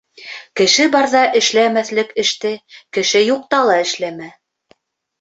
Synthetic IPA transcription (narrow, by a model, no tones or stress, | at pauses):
kɘ̆ʃɘbɑɾðɑʔɘ̆ʃlæmæθlɘkɘ̆ʃt̪ɘkɘ̆ʃɘjuq̚t̪ɑlˠɑɘ̆ʃlæmæ